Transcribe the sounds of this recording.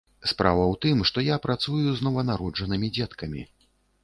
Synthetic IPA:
spɾavɐwt̪ɨmʂt̪ɔjapɾat̪sujuznɔvɐnaɾɔd͡ʐɐnɨmʲid͡zʲɛt̪kɐmʲḭ

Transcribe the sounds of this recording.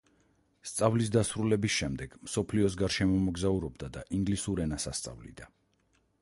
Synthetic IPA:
st̪sʼavlis̬d̪asɾulɛbisʃɛmd̪ɛɡ̥msɔpʰliɔs̬ɡaɾʃɛmɔmɔɡzauɾɔbd̪ad̪aʔiŋɡlisuɾɛnasast̪sʼa̰vlḭd̪a

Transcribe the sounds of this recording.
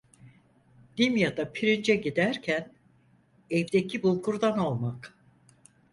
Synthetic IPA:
d̪̥imjad̪apʰiɾind͡ʒɛɟid̪æɾcʰæn | ɛvd̪ecʰibulˠkʰuɾd̪ano̞lˠmak

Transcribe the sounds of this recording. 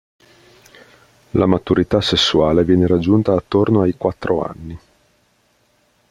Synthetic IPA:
lamat̪uɾit̪asesːuaːlevjɛːneɾad͡ʒːunt̪aːt̪ːornoajkwat̪ːɾoa̰nːi

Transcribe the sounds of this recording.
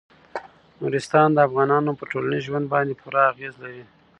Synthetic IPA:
nuɾɪst̪ɑnd̪əafɣɑnɑnopəʈolanizʒwand̪̚bɑnd̪epʰuɾaːɣezlawi

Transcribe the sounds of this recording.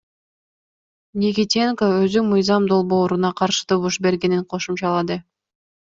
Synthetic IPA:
nʲikʲitʲiŋkoø̞zymɯjzɑmd̪o̞lˠbo̞ːɾunɑqʰɑɾʃɯ̥t̪ʰoβuʃbe̞ɾɡe̞niɴqʰo̞ʃumt͡ʃɑlˠɑd̪ɯ

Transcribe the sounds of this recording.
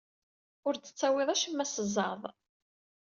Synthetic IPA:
ʊɾt͡sːə̥t͡sːæwɪðˤæʃimːæsəzˤɑðˤ

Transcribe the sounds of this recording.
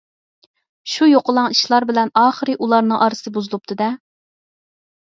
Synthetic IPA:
ʃujoqʊlˠɑŋiʃlˠɑɾbɪlɛnɑːχəɾɨʔulˠɑɾnɨŋʔɑɾɨsɨɨbuzulˠup̚t̪ʰɨd̪ɛ

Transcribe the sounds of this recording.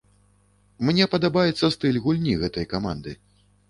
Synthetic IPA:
mnʲɛpɐd̪abajɛt̪sːɐst̪ɨlʲɣulʲnʲiɣɛt̪ɐjkama̰nd̪ɨ̰

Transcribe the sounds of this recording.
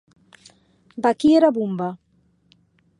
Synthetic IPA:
bakieɾabumba

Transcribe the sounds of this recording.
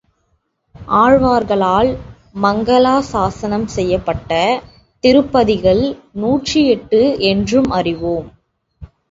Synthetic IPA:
ʔaːɻʋaːɾɣɐɭaːl | mɐŋɡɐlaːsaːsɐnɐmsɛjːɐpːɐʈːɐ | t̪ɪɾɯpːɐðɪɣɐɭnuːʈriɛʈːɯʔɛndrɯmʔɐrɪʋoːm

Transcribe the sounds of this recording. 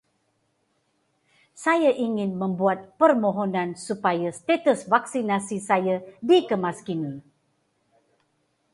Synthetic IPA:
sajaʔiŋɪnmə̃mbuat̪̚pərmoɦonãnsupajast̪et̪əsvaksinasisajadikəmaskini

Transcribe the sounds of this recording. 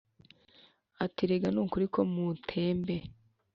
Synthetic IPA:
atiɾeɡanuːkuɾikʰo̞mutʰe̞ːmbe̞

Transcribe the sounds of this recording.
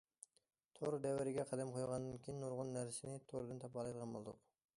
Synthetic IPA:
t̪ʰoɾd̪ɛwɪɾɪɡʲɛqʰɑd̪ɛmqʰojʁɑnd̪ɪnkʲʰijinːoɾʁʊnːæɾsɪnɪt̪ʰoɾɨd̪ɨnt̪ʰɑp̚bɑlˠɑjd̪əʁɑnbo̰lˠd̪ʊq

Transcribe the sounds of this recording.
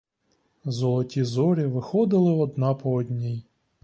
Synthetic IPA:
zɔlˠɔtʲizɔɾʲiʋɪxɔd̪ɪlˠɪɔd̪nɑpɔɔd̪ʲnʲij

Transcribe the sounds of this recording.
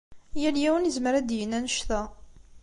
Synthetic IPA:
jæljæwənəzməɾæd̪jənænəʃθæ

